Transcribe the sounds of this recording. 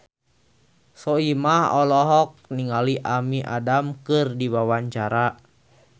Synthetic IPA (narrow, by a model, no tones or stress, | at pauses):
sɔimahɔlɔɦɔk̚niŋaliʔamiʔa̰damkɨrdiwawaɲt͡ʃaɾa